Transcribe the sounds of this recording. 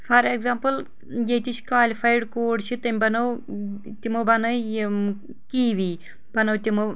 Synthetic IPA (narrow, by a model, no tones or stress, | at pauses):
fʰɐɾeɡzaːmpɨl | jet̪it͡ʃkaːlifaːjɖkoːɽʃit̪ɐmʲbɐnɐw | t̪imobɐnɐj | kiːʋiː | b̥ɐnɐwt̪ʲimo